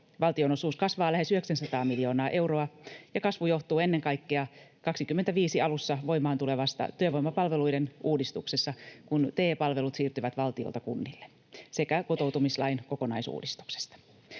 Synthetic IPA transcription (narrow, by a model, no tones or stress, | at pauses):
ʋɑlt̪iono̞suːskɑsʋɑːlæɦe̞syhe̞ksænsɑt̪ɑːmiljo̞ːnɑːʔe̞wro̞ɑjɑkɑsʋujo̞ht̪uːe̞nːe̞ŋkɑjkːeɑkɑksikymːent̪æʋiːsiɑlusːɑʋo̞jmɑːnt̪ule̞ʋɑst̪ɑ̰t̪yøʋo̞jmɑpɑlʋe̞lujdenuːdist̪uksesːɑkunt̪eːpɑlʋe̞lut̪siːrt̪yʋæt̪ʋɑlt̪io̰lt̪ɑkunːilːe | se̞kæko̞t̪o̞uwt̪umislɑ̰jnko̞ko̞nɑjsṵːdist̪u̥kse̥st̪ɑ̥